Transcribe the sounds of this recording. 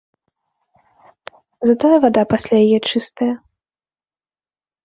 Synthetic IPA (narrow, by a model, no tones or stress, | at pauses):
zɐt̪ɔjɐvad̪apasʲlʲajajɛt͡ʂɨst̪ɐjɐ